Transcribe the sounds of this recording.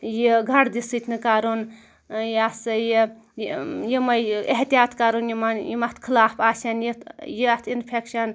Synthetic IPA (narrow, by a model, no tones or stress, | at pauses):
jiɡʱɐɽd̪isɨt̪ʰʲnɨkaɾun | jasɨji | jimɐjeɦt̪ijaːt̪kaɾunjimanjimɐt̪ʰkʰilaːpaːsʲɐnjit̪jit̪ʰinpʰekʃɐn